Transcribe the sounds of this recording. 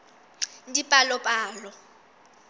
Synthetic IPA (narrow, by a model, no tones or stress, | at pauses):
ndipʼalɔpʼaːlɔ